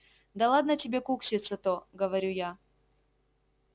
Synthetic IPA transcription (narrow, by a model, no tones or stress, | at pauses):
d̪ɐlˠad̪nətʲɪbʲekuksʲɪt̪sːət̪oɡəvɐɾʲuja